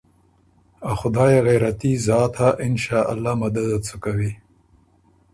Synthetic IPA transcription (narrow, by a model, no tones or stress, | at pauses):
axʊd̪ɑːjeɣejɾat̪izɑːt̪ʰaʔɪnʃɑːʔa̰lːamad̪ad̪at͡sukawi